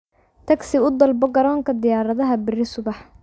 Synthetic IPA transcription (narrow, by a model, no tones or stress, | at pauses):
t̪ʰɐɡsɪʊd̪ɐlbɔɡɐɾɔːŋkʰɐd̪ɪjaːɾɐðɐɦɐbɪrɪsʊβɑħ